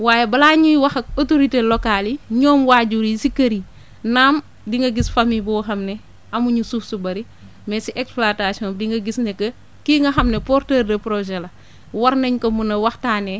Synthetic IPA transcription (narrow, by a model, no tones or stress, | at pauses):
waːjebɐlaɲujwɐxotoɾitelokaliɲɔːmwaːɟuɾisikːɐɾi | naːm | diŋɡɐɡisfamibuwxɐmnɛ | ɐmuɲusufsubɐɾi | mɛsiʔɛksplatasiɔndiŋɡɐɡisnɛkːɐ | kiːŋɡɐxɐmnepɔrtɛːrdɐpɾoʒɛlɐ | wɐɾnɐɲkomunɐwɐxtaːnɛ